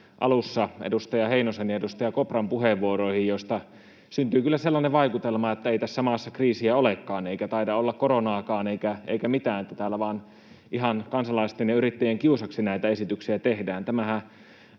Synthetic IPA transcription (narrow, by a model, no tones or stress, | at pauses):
ʔɑ̰lusːɑḛdust̪ɑjɑheinoseniedust̪ɑjɑkoprɑmpuheʋːuoroihijjost̪ɑ | synt̪yːkylːæselːɑneʋɑikut̪elmɑet̪ːæeit̪æsːæmɑsːɑkriːsiæolekːɑːneikæt̪ɑidɑolːɑkkoɾonɑːkɑːneikæḛikæmit̪æːnet̪ːæt̪æːlːæʋɑːn | ʔiɦɑnkɑnsɑlɑist̪enjɑyɾit̪ːejeŋkiusɑksinæˑit̪æesit̪yksiæt̪ehdæːnt̪æmæhæ